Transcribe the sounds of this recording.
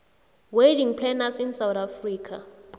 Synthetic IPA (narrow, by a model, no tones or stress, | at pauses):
wediŋpʰlɛnasinsawtafriːkʰa̰